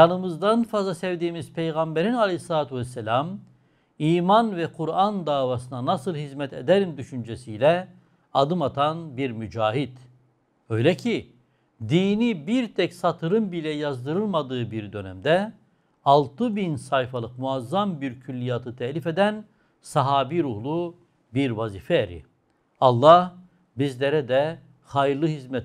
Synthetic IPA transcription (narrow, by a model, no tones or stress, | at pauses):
janɯmɯzd̪anfazlˠasɛvd̪iːmiz̥pʰejɣambeɾinalʲˠejslˠaːt̪ʰyvɛsːɛlʲam | iːmanvɛkʰuɾand̪aːvasɯnanasɯlˠhizmɛt̪ed̪ɛɾimd̪yʃynd͡ʒɛsijlʲɛ | ad̪ɯmat̪ʰanbiɾmyd͡ʒaːɦid̪ | ø̞jlʲɛcʰi | d̪iːnibiɾt̪ʰɛcsat̪ʰɯɾɯmbilʲɛjazd̪ɯɾɯlˠmad̪ɯːbiɾd̪ø̞nɛ̰md̪ɛ | alˠt̪ʰɯbinsajfalˠɯqmuazːambiɾcʰylʲːijaːt̪ʰɯt̪ʰɛhlʲifed̪æn | sɑɦaːbiɾuhlˠu | biɾvaziːfɛeɾḭ | ɑlˠːah | bizlʲeɾɛd̪ɛ | xajɯɾlˠɯɦizmɛt̪